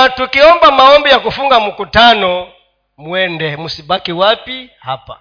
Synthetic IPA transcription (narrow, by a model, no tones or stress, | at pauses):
tukiɔmbamaɔmbijakufuŋɡamukutanɔ | mwɛndɛmusibakiwapi | hapa̰